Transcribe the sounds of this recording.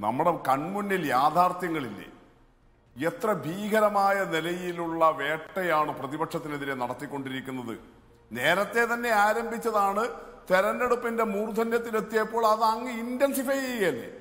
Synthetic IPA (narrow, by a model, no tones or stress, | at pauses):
nɐ̰mːuɽekɐɳmunːiljaːd̪ʱaːrt̪jɐŋːɐɭilːḛ | et̪rɐbʱiːɡʱɐɾɐmaːjɐnilɐjiluɭːɐʋe̞ːʈːɐjaːɳɨprɐðibɐkʂɐt̪ːineðiɾenɐɽɐt̪ːikʲːo̞ɳɖiɾikʲːunːɐðɨ̰ | ne̞ːɾɐt̪ːe̞t̪ɐnːe̞aːɾɐmbʱit͡ɕːɐðaːɳɨt̪eɾɐnːeɽupːinde̞muːrud̪ʱɐnjɐt̪̬ːilet̪ːijɐpːo̞ːɭɐðɐŋːɨindensifɐjjelːḛ